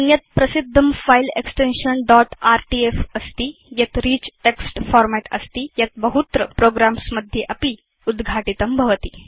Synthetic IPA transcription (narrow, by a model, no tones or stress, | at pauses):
ənjət̪̚pɾəsid̪ʱːəmfaileksʈenʂənɖɔʈaɾʈiefəst̪iːjat̪ɾiːt͡ɕʈeksʈfɔɾmæʈəst̪iːjat̪̚bəɦut̪ɾəpɾoɡɾamsməd̪ʱːjeʔapiː | ud̪ɡʱaʈit̪əmbʱəʋət̪iː